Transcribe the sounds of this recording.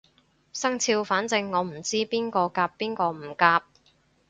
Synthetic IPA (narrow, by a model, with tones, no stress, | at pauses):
sɐ˥ŋt͡sʰiː˧wfaː˨˥nt͡sɪ˧ŋːɔː˨˧m̩˨˩t͡siː˥piː˥nkɔː˧kaː˧pːiː˥nkɔː˧m̩˨˩kaː˧p̚